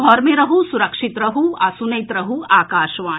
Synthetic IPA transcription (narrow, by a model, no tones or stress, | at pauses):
ɔːɾmẽɾɐɦusuɾɐkʃɪt̪ɾɐɦuasunɐjt̪ɾɐɦuaːkaːʃʋaː